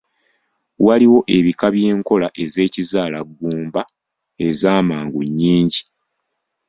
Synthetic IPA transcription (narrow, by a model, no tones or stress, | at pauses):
waliwo̞ʔe̞βikaβje̞ːŋko̞laʔe̞ze̞ːcizaːlaɡːuːmba | e̞zaːmaːŋɡuɲːiːɲɟi